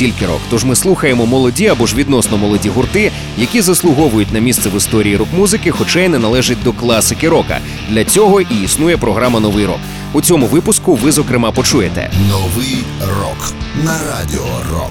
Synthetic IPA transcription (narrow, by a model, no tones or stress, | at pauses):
tʲilʲkɪɾɔ̰kt̪ɔʒmɪslˠuxɐjemɔmɔlˠɔdʲiɐbɔʒʋʲid̪nɔsnɔmɔlˠɔdʲiɦʊrt̪ɪ | jɐkʲizɐslˠʊɦɔʋʊjʊtʲnɐmʲist̪sɛʋɪst̪ɔɾʲiːiɾɔkmuzɪkɪxɔt͡ʃajnɛnɐlˠɛʒɪt̚ʲd̪ɔklˠɑsɪkɪɾɔkɐ̰ | d̪lʲɐt͡sʲɔɦɔʔiisnujɛpɾɔɦɾamɐnɔʋɪjɾɔ̰k | ut͡sʲɔmʊʋɪpʊskʊʋɪzɔkɾɪmɑpɔt͡ʃujet̪ɛ̰nɔʋɪjrɔ̰knɐɾa̰dʲɪ̰ɔ̰rɔ̰k